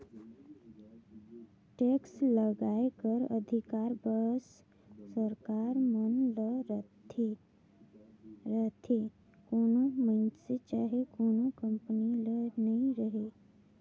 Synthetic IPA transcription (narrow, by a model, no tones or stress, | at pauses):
ʈeksləɡaekəɾə̰d̪ʱikaɾbəs | səɾkaɾmənlə | ɾət̪ʰe | konomənset͡ʃaːɦekoːnokəmpənilənəĩɾəɦe